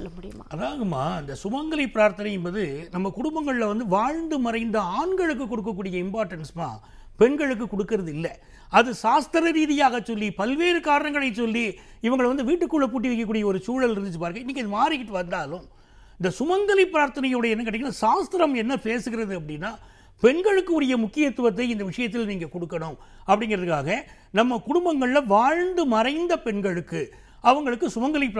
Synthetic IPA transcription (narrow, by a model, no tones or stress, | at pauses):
ɐmj | ɐðaːɣɐmːaːɪnd̪ɐsʊmɐŋɡɐlɪpːɪɾaːɾt̪ɐnɐjnbɐðɯnɐmːɐkʊɽʊmbɐŋɡɐɭɪlɐʋɐnd̪ɯʋaːɻnd̪ɯmɐɾɐɪnd̪ɐaːɳɡɐɭɯk̬ːɯkːɔɽɯk̬ːɐkːuːɽɪjɐɪmpaːɾʈɐnsma̰ː | pɛɳɡɐɻɯk̬ːɯkːɔɽɯkːɯɾɐðɯɪlːɐ | ɐðɯsaːst̪ɐɾɐɾiːðɪjaːɣɐt͡ʃːɔlːipɐlʋeːɾɯkaːɾɐnɐŋɡɐɭɐɪt͡ʃːɔlːi | ɪʋɐŋɡɐɭʋɐnd̪ɯʋiːʈːɯkːuːɭːɐpuːʈ̬ːɪʋɪkːɐkːuːɽɪjɐɔɾɯsuːɻɐlɪɾɯnd̪ɯt͡ʃːɯpaːɾɯŋɡɐɪnːɪkːɐðɯmaːɾɪkːɪʈːɯʋɐnd̪aːlʊ̃m | ɪnd̪ɐsʊmɐŋɡɐlɪpːɾaːɾt̪ɐnɐjoːɽɐɛnːɐkeːʈːɪŋːɡɐnːaːsaːst̪ɪɾɐmɛnːɐpeːsɯɣɪɾɐðɯɐp̬ːɐɽɪnːaː | pɛɳɡɐɻɯkːɯɔɾɐjɐmʊkːɪjɐt̪ːɯʋɐt̪̬ːɐɪɪnd̪ɐʋɪʂɐjɐt̪̬ːɪlniːŋɡɐkɔɽɯkːɐɳʊ̃mɐpːɐɽɪŋɡɪɾɐðɯkːaːɣɐ | nɐmːɐkʊɽʊmbɐŋɡɐɭlɐʋaːɻnd̪ɯmɐɾɐɪnd̪ɐpɛɳɡɐɭɯkːɯ | ɐʋɐŋɡɐɭɯkːɯsʊmɐŋɡɐlɪpː